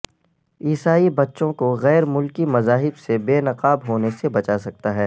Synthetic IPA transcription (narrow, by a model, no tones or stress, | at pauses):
iːsaːibɐtːʃõkoɣɛːɾmʊlkimɐzaːɦɪbsebeːnɐqaːbɦoːnesebɐt͡ʃasɐk̚t̪aɦɛː